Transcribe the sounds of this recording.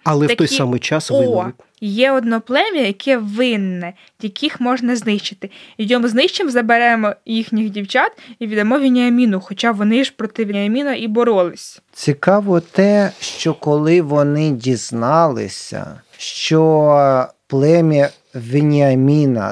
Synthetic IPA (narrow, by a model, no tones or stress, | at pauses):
ɐlˠɛɐt̪ɔjsɑmɪjt͡ʃɑsɪɾʲɪtʲ | jɛɔd̪nɔplˠɛmʲijɐjɐkʰɛʋɪnːɛ | jʲɐkʰixmɔʒnɐznɪʃt͡ʃɪ̥t̪ɪjjʲɔmznɪʃt͡ʃemzɐbeɾɛmɔjixnʲixdʲiwt͡ʃat̪iʋʲid̪ɐmɔʋʲinʲiɐmʲinʊxɔt͡ʃɑʋɔnɪʒpɾɔt̪ɪʋʲiɐmʲinɐʔibɔɾɔlˠɪsʲ | t͡sʲikɑʋɔt̪ɛʃt͡ʃɔkɔlˠɪʋɔnɪdʲiz̥nɑlˠɪ̰sʲɐ̰ | ʃt͡ʃɔ | plˠɛmʲiɐ | ʋʲɪnʲiɐmʲinɐ̰